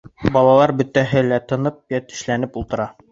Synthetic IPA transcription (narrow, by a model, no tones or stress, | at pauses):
bɒlˠɑlˠɑɾbɵ̆t̪ːæɦɘlæt̪ɤ̆nɤp̚jæt̪ɵ̥̆ʃlænɘpulˠt̪ɤ̆ɾɑ